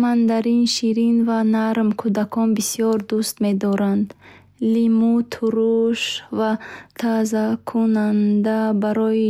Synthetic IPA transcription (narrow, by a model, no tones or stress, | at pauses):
mand̪aɾinʃiɾinvanaɾmkʰud̪akʰɔnbisijɔɾd̪ust̪me̞d̪ɔɾand̪ | limut̪ʰuɾuʃvat̪ʰazakʰunand̪abaɾɔi